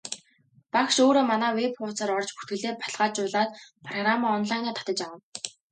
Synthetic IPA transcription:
pakʃoːɾoːmanæːwepχʊːt͡saːɾɔrt͡ɕpu̥t̪̚ɡɘ̆ɮeːpʰḁɮʁ̥aːt͡ɕʊːɮaːt̪pʰrɔɣramaɔnɮajnaːt̪ʰḁt̪ə̆t͡ɕawə̆n

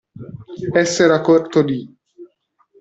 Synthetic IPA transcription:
ɛsːeɾakoɾt̪od̪i

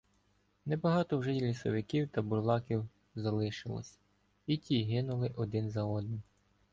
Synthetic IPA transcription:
nɛbɐɦɑt̪ɔwʒɛjlʲisɔ̰ʋɪkiwt̪ɐbʊrlˠɑkʲiw | zɐlˠɪʃɪlˠɔ̰sʲɐ̥ | itʲʰiɦɪnʊlˠɪʔɔd̪ɪnzɐɔd̪nɪm

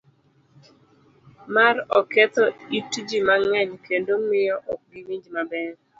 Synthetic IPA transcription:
maɾɔkɛt̪ɔitd͡ʒimaŋɛɲkendomɪjɔʔɔk̚ɡimiɲd͡ʒmabɛɾ

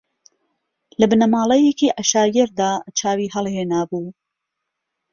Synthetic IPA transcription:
lɐbɨnɐmaːlˠɛjekiːʔaʃaːjɛɾd̪aːt͡ʃʰaːwiːɦɐlˠheːnaːbuː

